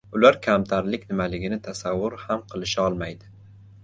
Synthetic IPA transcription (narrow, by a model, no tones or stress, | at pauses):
ʊlaɾkʲʰamt̪ʰaɾlɪkʲnɪmalɪɡʲɪnɪt̪ʰasavːʊɾhamqʰɨlˠɪʃaɒlˠmajd̪ɪ